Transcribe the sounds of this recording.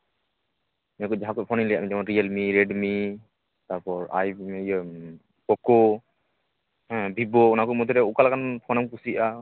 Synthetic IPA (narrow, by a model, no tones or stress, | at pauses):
mɛakɔd͡ʒaɦakɔt̚pʰɔnilɛja̰ʔmid͡ʒamanɾijəlmiɾɛɖmi | t̪aɾpɔɹa̰jɛj | kɔkɔ | bʱibɔunakɔmɔt̪̬ɔɾɛukalakanpʰɔnamkusiʔa